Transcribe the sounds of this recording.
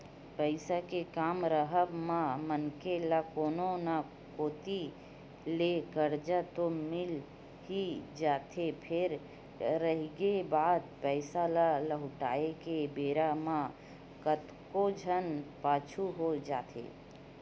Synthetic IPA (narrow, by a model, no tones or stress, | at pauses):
pəɪsakekaːmɾəɦəbmãmənkelakoːnona | koːt̪i | lekəɾd͡ʒat̪omɪl | ɦid͡ʒaːt̪ʰepʰɪɾ | ɾəɦɡebaːd̪̚pɛɪsalaləɦʊʈaːekebeːɾamã | kət̪kod͡ʒʱənpaːt͡ʃʰuɦod͡ʒaːt̪ʰḛː